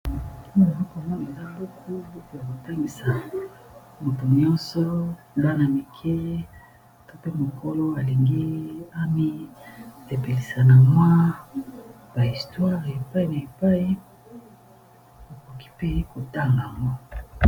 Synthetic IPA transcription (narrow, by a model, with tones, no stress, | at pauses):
i˦˨a˨za˦ko˨mɔ˦ne˨za˦bo˦kʰo˦bo˦ko˨ja˨ko˨ta˦ŋɡi˨sa˨ | mu˨tu˨ɲɔ̃˦nsɔ˦˨ | la˦na˨mi˨kʰe˦˨ | to˦pe˦mo˨ko˦lo˦a˨li˨ŋɡi˦a˦mi˦ | e˨pe˨li˨sa˨na˨mwa˦ | b̥a˨i˨stwa˦ʁe˨pa˦i˨na˨e˨pa˦i˦˨ | bo˨ko˨ki̥˦pe˦ko˨ta˦˨ŋɡa˨a˨ŋɡo˦